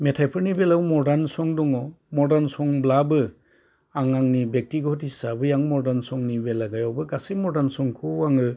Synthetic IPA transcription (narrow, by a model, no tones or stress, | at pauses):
metʰajpʰɯɾnibelawmɔɾdansɔŋdɔŋɔ | mɔɾdansɔŋblabɯ | aŋaŋnibek̚tiɡhɔtisabɯjaŋmɔɾdansɔŋnibelaɡajɔwbɯɡasimɔɾdansɔŋkʰuaŋɯ